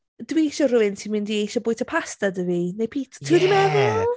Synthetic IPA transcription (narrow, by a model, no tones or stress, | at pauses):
d̥wiiʃɔrʊɪntʰimɪndiejʃɔbʊːɨtʰapʰastadəvinejpʰiːtʰtʰuːdimɛðʊ